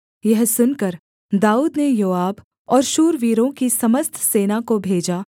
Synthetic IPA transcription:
jɐɦsʊnkəɾ | d̪aːuːd̪nejoːaːb | ɔːɾʃuːɾʋiːɾõkisɐməst̪ʰseːnakobʱeːd͡ʒaː

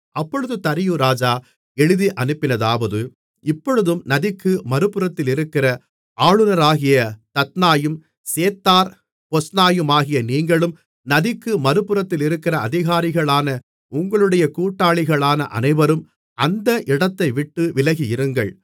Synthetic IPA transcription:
ɐpːɔɻɯðɯt̪ɐɾɪjɯɾaːd͡ʒaː | ɛɻɯðiʔɐnɯpːɪnɐðaːʋɐðɯ | ɪpːɔɻɯðɯmnɐðɪkːɯmɐɾɯpɯɾɐt̪ːɪlɪɾɯkːɪrɐ | ʔaːɭɯnɐɾaːɣɪjɐt̪ɐt̪naːjɯm | seːt̪ːaːɾ | pɔsnaːjɯmaːɣɪjɐniːŋɡɐɭɯm | nɐðɪkːɯmɐɾɯpɯɾɐt̪ːɪlɪɾɯkːɪrɐɐðɪɣaːɾɪɣɐɭaːnɐ | ʊŋɡɐɭɯɽɐjɐkuːʈːaːɭɪɣɐɭaːnɐʔɐ̰nɐɪʋɐɾɯm | ɐnd̪ɐʔɪɽɐt̪ːɐɪʋɪʈːɯʋɪlɐɣɪjɪɾɯŋɡɐɭ

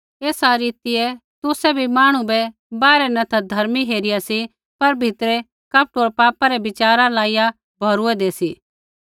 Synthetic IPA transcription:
eːsaɾiːt̪ɪɛt̪ʊsɛbʱimaːɽ̃ũbɛ | baːɾɛnɐt̪ʰad̪ʱɐɾmiɦeːɾɪjasi | pɐɾbʱɪt̪ɾɛ | kɐːp̚ʈoːɾpaːpaɾɛbɪt͡ʃaːɾalaːija | bʱɔːɾʊɛd̪eːsiː

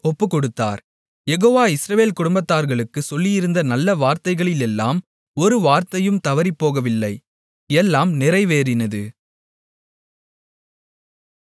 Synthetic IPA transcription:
ɔpːɯkɔɽɯt̪ːa̰ːɾ | jɛɣoːʋaːɪsɾɐʋeːlkʊɽʊmbɐt̪ːaːɾɣɐɭɯkːɯsɔlːɪjɪɾɯnd̪ɐnɐlːɐʋaːɾt̪ɐɪɣɐɭɪlɛlːaːm | ɔɾɯʋaːɾt̪ɐjɯmt̪ɐʋɐɾipːoːɣɐʋɪlːɐɪ | ɛlːaːmnɪɾɐɪʋeːɾɪnɐðɯ̰

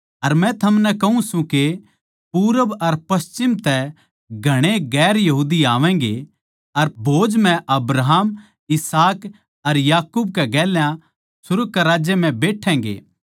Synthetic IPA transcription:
ɐɾmɛ̃t̪ʰɐmnɛkɐɦũsũke | puːɾəbɐɾpɐst͡ʃɪmt̪ɛ | ɡʱɐɽ̃eɡɛːɾjɐɦuːd̪iaːʋɛ̃ːɡḛ | ɐɾbʱoːd͡ʒm̤ɛ̃ʔɐbɾaɦaːm | ɪsaːk | ɐɾjaːkuːbkɛɡɛːljã | sʊɾukɛɾaːd͡ʒjem̤ɛ̃beːʈʰɛ̃ːɡḛː

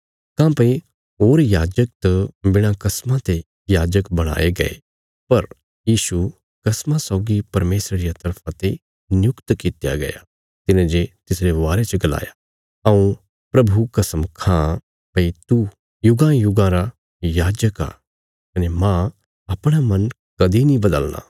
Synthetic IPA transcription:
kãpɐĩ | ɦoːɾjaːd͡ʒək̚t̪ɐbɪɽ̃ãkɐsmãt̪e | jaːd͡ʒəkbɐɽ̃a̰ːeɡɐ̰ḛ | pɐɾ | jiːʃu | kɐsmãsɔːɡipɐɾmeːsɾɾijat̪ɐɾpʰãt̪e | nɪjʊkt̪kɪt̪ja̰ɡɐ̰ja̰ | t̪ɪnẽd͡ʒet̪ɪsɾeʋaːɾet͡ʃɐɡɐla̰ːja | ɐũ | pɾɐbʱukɐsəmkʰã | pɐit̪u | jʊɡãjʊɡãɾa | jaːd͡ʒəka̰ː | kɐnemã | ɐpɽ̃amɐ̃n | kɐd̪ʱinĩbɐd̪əlna̰ː

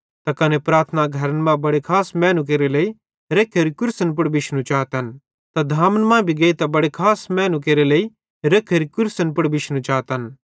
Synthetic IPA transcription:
t̪akɐnepɾaːɾt̪ʰnaɡʱɐɾənmãbɐɽekʰaːsmɛ̃ːnũk̬eːɾelei | ɾeːkʰɐɾikʊɾsənp̬ʊɽbɪʃnũt͡ʃaːt̪ɐn | t̪ad̪ʱaːmənmãːbʱiɡeːit̪abɐɽekʰaːsmɛ̃ːnũk̬eːɾelɐi | ɾeːkʰɐɾikʊɾsənpʊɽbɪʃnũt͡ʃaːt̪ən

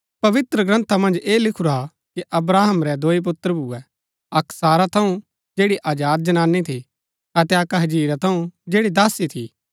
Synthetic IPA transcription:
pɐʋɪt̪ɾəɡɾɐ̃nt̪ʰamɐ̃nd͡ʒeːlɪkʰuɾa | kiʔɐbɾaːɦəmɾɛd̪oːip̬ʊt̪ːɾəbuɛ | ɐksaːɾat̪ʰɐũ | d͡ʒeːɽiʔaːd͡ʒaːd̪̚d͡ʒɐnaːnːit̪ʰi | ɐt̪ɛɐkaɦɐd͡ʒiːɾat̪ʰɐũd͡ʒeːɽid̪aːsit̪ʰi

